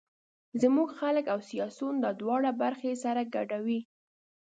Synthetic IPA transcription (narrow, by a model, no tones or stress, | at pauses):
zəmuɡxaləkawsijɑsund̪əd̪wɑɽabaɾxesaɾaɡaɖawi